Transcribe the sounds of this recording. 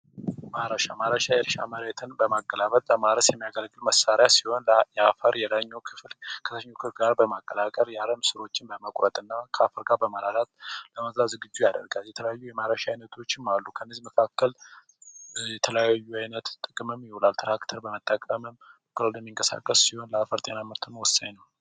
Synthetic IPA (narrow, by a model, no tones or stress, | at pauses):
maɾəʃamaɾəʃajɛɾʃa̰məɾet̪ʰɨnbəmaɡːəlaβət̪ʼləmaɾəsjɛmːijaɡəlɡɨlməsːaɾjasiho̞njɛafəɾjɛlaɲːokʰɨflkʰə̥t̪əɲːokʰɨflɡaɾbəmakʼːəlakʼəɾjaləmsɨɾo̞t͡ʃːɪnbəməkʼɾət̪ʼɨnːakʰəafəɾɡaɾbəməlalat̪ləməzzazɨɡɨd͡ʒːujad̪ə̰ɾɡaljɛt̪ʰələjajːujɛmaɾəʃaajnət̪ʰo̞t͡ʃːɪmːalːukʰənːezməkʰakːəl | jɛt̪ʰələjajːuajnət̪t̪ʼɨkʼɨmɨmjɪholalt̪ʰɨɾakt̪ʰəɾbəmət̪ʼːəkʼəmɨm | kʼːɨɾolɛmːiŋkʼəsa̰kʼːəsːiho̞nləafəɾt̪ʼe̞naməɾt̪ʰɨnwɔsːaɲnəw